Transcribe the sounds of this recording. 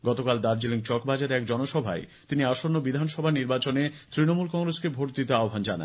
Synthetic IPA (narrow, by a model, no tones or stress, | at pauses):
ɡɔt̪okald̪aɾd͡ʑeliŋt͡ɕɔkbad͡ʑaɾɛkd͡ʑɔnoʃɔbʱa̰et̪iniaʃonːobid̪ʱanʃɔbʱaniɾbat͡ɕonet̪ɾinomulkɔŋɾeskebʱoʈ̚d̪it̪eaobʱand͡ʑana̰n